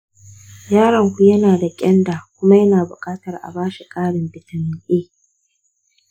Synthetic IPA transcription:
jaː˦ɾɐ˨ŋkʷu˦jɐ˦naː˨da˨kʲʼɛ˦nda˨kʷʊ˦ma˦jɐ˦naː˨bʊ˨kʼaː˦tɐ˨rʔa̰˨baː˦ʃi˨kʼaː˦ɽɪ˨mbɪ˨tɐ˨nɪ˨ʔeː˦

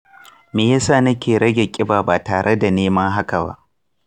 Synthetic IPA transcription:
meː˨jaː˦saː˦˨nɐ˦kʲeː˨ɾɐ˦ɡʲe˨kʲʼɪ˦baː˨baː˨taː˨ɽe˦da˨neː˦mɐ˦ŋɦa˦ka˨ba̰˦ʔ

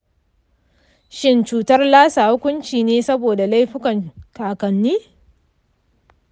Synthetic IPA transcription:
ʃɪ˦nt͡ʃuː˦tɐ˦rlaː˦saː˨hʊ˦kʷʊ˦nt͡ʃiː˨neː˦sɐ˦boː˨da˨la˦jɸɪ˦kɐ˨ŋkaː˨kɐ˨nːiː˦

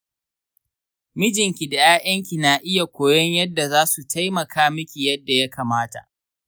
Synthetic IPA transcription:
mɪ˦d͡ʒɪ˨ŋkʲi˨da˨jaː˦ʔɐ˦ŋkʲi˨naː˨ʔɪ˦ja˨kʷoː˨jɔ˦ɲjɐ˦dːa˨zaː˦su˨tʰa˦jmɐ˨kʰaː˦mɪ˦kʲi˨jɐ˦dːa˨ja˦kaː˨maː˦ta̰˨ʔ

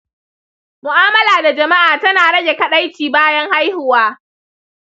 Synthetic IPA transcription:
mʊ˨ʔaː˦mɐ˦laː˨da˨d͡ʒɐ˨ma˦ʔaː˨tɐ˦naː˨ɽɐ˦ɡʲe˨kɐ˨ɗa˦jt͡ʃiː˨baː˦jɐ˦ŋha˦jhʊ˨waː˦

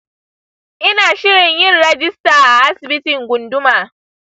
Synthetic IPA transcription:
ʔɪ˦naː˨ʃɪ˦ɾɪ˨ɲjɪ˦nɾɛ˦d͡ʒɪ˦staː˨ʔa˨ʔa˦sɪ˨bi˦tɪ˨ŋɡʷʊ˨ndʊ˦maː˨

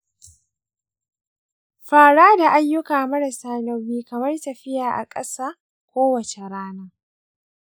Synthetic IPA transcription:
ɸaː˨ɽaː˦da˨ʔa˦jːʊ˦kaː˨mɐ˦ɽɐ˨saː˨nɐ˦wiː˦kɐ˨mɐ˦rtɐ˨ɸɪ˦jaː˨ʔa̰˨kʼɐ˦saː˦ | kʷoː˦wɐ˨t͡ʃe˨ɾaː˦naː˦

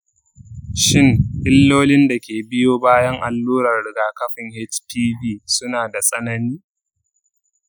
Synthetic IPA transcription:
ʃɪ˦˨ŋʔɪ˦lːoː˦lɪ˦nda˨kʲeː˨bɪ˦joː˦baː˦jɐ˦ŋʔa˨lːuː˦ɾɐ˨rɽɪ˨ɡaː˨kɐ˦ɸɪ˨ŋhɛ˦t͡ʃtiː˦biː˦sʊ˦naː˨da˨sʼɐ˦nɐ˦niː˦

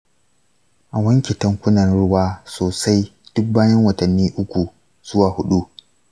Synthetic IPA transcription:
ʔa˨wɐ˦ŋkʲe˨tɐ˦ŋkʷʊ˦nɐ˨nɽʊ˦waː˦soː˨sa˦jd̥ʊ˦k̚baː˦jɐ˦ŋwɐ˨tɐ˨nːiː˦ʔʊ˦kʷu˨ | z̥ʊ˦waː˨hʊ˦ɗu˦

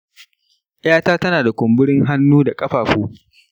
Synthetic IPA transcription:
ʔɪ˦jaː˦taː˦tɐ˦naː˨da˨kʷʊ˨mbʊ˦ɽɪ˦ŋɦa˦nːuː˦da˨kʼɐ˦ɸaː˨ɸuː˦

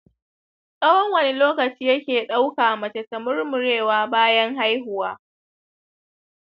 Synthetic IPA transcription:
sʼɐ˦wɔ˦ŋwɐ˨ne˦loː˦kɐ˨t͡ʃiː˦jɐ˦kʲeː˨ɗa˦wkaː˨ʔmɐ˨t͡ʃɐ˨tːɐ˨mʊ˦rmʊ˨ɽeː˦˨waː˦baː˦jɐ˦ŋɦa˦jɦʊ˨waː˦

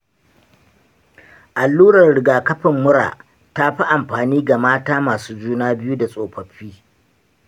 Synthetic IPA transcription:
ʔa˨lːuː˦ɾɐ˨rɽɪ˨ɡaː˨kɐ˦ɸɪ˨mːʊ˦ɽa̰ː˨ | ta˦ɸi˦ʔa˨mɸaː˨niː˦ɡa˨maː˦taː˦maː˨suː˦d͡ʒuː˦naː˦bɪ˦ju˦da˨sʼoː˨ɸɐ˨ɸiː˦

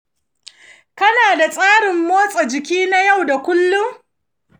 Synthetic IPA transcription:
kɐ˦naː˨da˨sʼaː˦ɽɪ˨mːoː˦sʼa˨d͡ʒɪ˨kʲiː˦na˦ja˦˨wda˨kʷʊ˦lːʊ˦ŋ

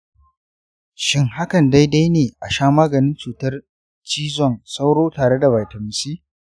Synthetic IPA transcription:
ʃɪ˦ŋɦa˦kɐ˨nda˦jda˦jneː˨ʔa˨ʃaː˦maː˦ɡɐ˨nɪ˦nt͡ʃuː˨tɐ˦r | t͡ʃiː˦zɔ˨nsa˦wɽoː˦taː˨ɽe˦da˨ba˨jtɐ˨mɪ˨siː˦

